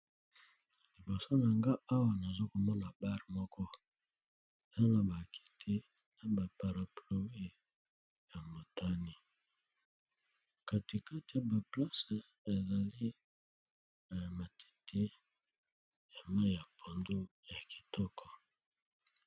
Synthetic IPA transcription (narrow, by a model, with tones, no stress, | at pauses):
li˨bo˨so˦na˨ŋɡa˦a˦wa˨na˨zo˦ko˨mɔ˦na˨ba˦ʁmɔ˦kʰɔ˦ | a˦na˨ba˨ki̥˨tʰe˦ | na˨ba˨pa˨ɾa˨plo˨we˦˨ | ja˨mo˨tʰa˦ni˨ | ka˨ti˨ka˦ti˨a˨ba˨pla˦sa˨ | e˨za˨li˦˨ | ma˨tʰi̥˨tʰe˦ | e˨ma˦˨ja˨pʰo˨ndo˦ja˨ki̥˨tʰɔ˦kʰɔ˨